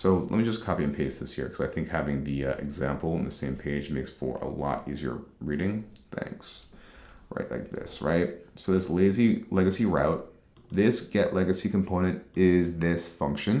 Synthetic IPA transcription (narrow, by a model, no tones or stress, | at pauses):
soʊlɛ̰t̚mid͡ʒʌskʰɑpiɨ̃npʰeɪzðɪsjɪ̰ɹkʰʌzaɪθɪ̃ŋkhævɪ̃ŋðiʌʔɨ̰ɡzæ̃mpl̩ˠə̃n̩ðɨsẽɪ̃mpʰeɪd͡ʒmeɪksfə̰˞ə̰lɔ̰ɾiziə̰˞ɹiɾɪ̃ŋθæ̰̃ŋks | ɹa̰ɪʔla̰ɪk̚ðɪ̰sɹa̰ɪt̚soʊðɪsleɪzilɛɡɨsiɹaʊt̪̚ | ðɪsɡ̥ɛʔlɛɡɨsikʰm̩pʰõʊ̃ñɨ̃ntɪzðɪsfʌ̃ŋkʃɨ̃n